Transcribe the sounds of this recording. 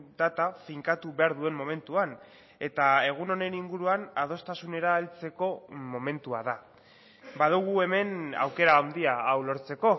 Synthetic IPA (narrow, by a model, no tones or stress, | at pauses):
d̪at̪afiŋkat̪uβe̞aɾðue̞mmo̞me̞nt̪uan | e̞t̪ae̞ɣ̞uno̞ne̞niŋɡuɾuanað̞o̞st̪asune̞ɾaːlt͡se̞ko̞mo̞me̞nt̪uaða | baðuɣ̞ue̞me̞na̰wke̞ɾaːnd̪iaːwlo̞ɾt͡se̞ko̞